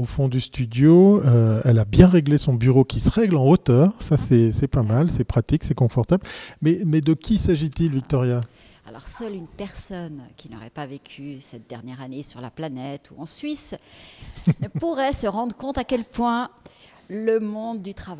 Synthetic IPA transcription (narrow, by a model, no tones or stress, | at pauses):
ofɔ̃d̪yst̪yd̪joøɛlabjɛ̃ʁeɡlesɔ̃byʁokʲisəʁɛɡlɑ̃ot̪œːʁsasɛsɛpamalsɛpχat̪iksɛkɔ̃fɔʁt̪ablmɛmɛd̪əkʲʰisaʒit̪ilvik̚t̪ɔʁja | a̰lɔ̰ʁsœlynpɛʁsɔnkʲinɔ̰ʁɛ̰pavekʲʰysɛt̪̚d̪ɛʁnjɛʁanesyʁla̰planɛt̪ʰuɑ̃sɥis | nəpuʁɛsəʁɑ̃d̪ʁəkɔ̃t̪akʲɛlpwɛ̃ | ləmɔ̃d̪ːyt̪χava